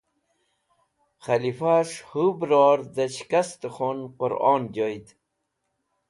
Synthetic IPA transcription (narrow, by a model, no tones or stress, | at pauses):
χɐlifaʂhubɾoːɾd̪ɐt͡ɕkast̪əχonqʊɾɔ̰ːnd͡ʑojd̪